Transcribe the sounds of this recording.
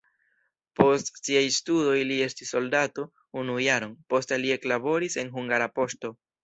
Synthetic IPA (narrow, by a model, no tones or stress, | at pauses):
po̞stsiajstudo̞jlie̞stisːo̞ldato̞ | unujaɾo̞npo̞stelie̞klabo̞ɾise̞nɦuŋɡaɾapo̞sto̞